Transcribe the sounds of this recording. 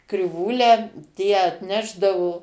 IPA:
krʲɪˈʋuːlʲæː ˈtʲiɛ ɐtʲˈnʲæːʒdɐʋoː

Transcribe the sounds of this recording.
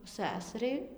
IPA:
ˈsʲæsɐrʲɛɪ

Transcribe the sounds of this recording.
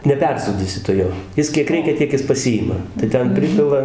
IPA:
nʲɛˈpʲɛrsuːdʲiːsʲɪ tʊ ˈjoː ˈjɪs kʲiɛk ˈrʲɛɪkʲɛ ˈtʲiɛk jɪs pɐˈsʲɪjɪmɐ tɐɪ ˈtʲɛn ˈpʲrʲɪpʲɪlˠɐ

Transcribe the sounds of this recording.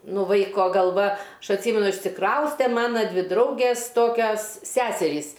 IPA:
ˈnuː ˈʋɐɪkoː ɡɐlˠˈʋɐ ˈɐʃ ɐtʲˈsʲiːmʲɛnʊ ɪʃʲsʲɪˈkrɐʊsʲtʲɛ ˈmɑːnɐ ˈdʲʋʲɪ ˈdrɐʊɡʲeːs ˈtoːkʲɛs ˈsʲæːsʲɛrʲiːs

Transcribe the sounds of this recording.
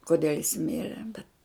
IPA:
koːˈdʲɛlʲ jɪs ˈmʲɪrʲɛ bʲɛt

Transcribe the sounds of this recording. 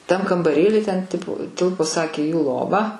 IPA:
tɐm kɐmbɐˈrʲeːlʲiː tʲɛn ˈtʲɪpʊ ˈtʲɪlˠpoː ˈsɑːkʲeː juː ˈlˠoːʋɐ

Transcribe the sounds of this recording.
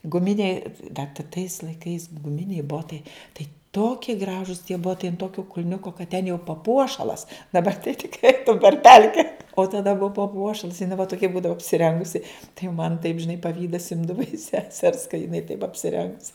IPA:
ɡʊˈmʲɪnʲɛɪ dɐ tɐ tɐɪs lˠɐɪˈkɐɪs ɡʊˈmʲɪnʲɛɪ ˈboːtɐɪ ˈtɐɪ ˈtoːkʲiɛ ˈɡrɑːʒʊs tʲiɛ ˈboːtɐɪ ɐnt ˈtoːkʲoː kʊlʲˈnʲʊkoː kɐt tʲɛn jɛʊ pɐˈpuɔʃɐlˠɐs dɐˈbɐr tɐɪ tʲɪkˈrɐɪ ˈɛɪtʊm pʲɛr ˈpʲɛlʲkʲɛ oː tɐˈdɐ ˈbʊʋɐ pɐˈpuɔʃɐlˠs jɪˈnɐɪ ʋɐ toːˈkʲɛ ˈbuːdɐʋɐ ɐpʲsʲɪˈrʲɛŋɡʊsʲɪ tɐɪ jɛʊ mɐn tɐɪp ʒʲɪˈnɐɪ pɐˈʋʲiːdɐs ˈɪmdɐʋɐ ɪʃ sʲɛˈsʲɛrs kɐ jɪˈnɐɪ tɐɪp ɐpʲsʲɪˈrʲɛŋks

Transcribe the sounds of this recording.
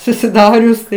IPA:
sʊsʲɪˈdɑːrʲʊs tɐɪ

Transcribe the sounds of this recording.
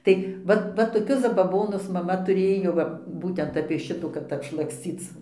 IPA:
ˈtɐɪ ˈʋɐt ˈʋɐ toːˈkʲʊs zɐbɐˈboːnʊs mɐˈmɐ tʊˈrʲeːjoː ˈʋɐ ˈbuːtʲɛnt ɐpʲiɛ ˈʃʲɪtuː kɐt ɐpʃlˠɐksʲˈt͡sʲiːt͡s

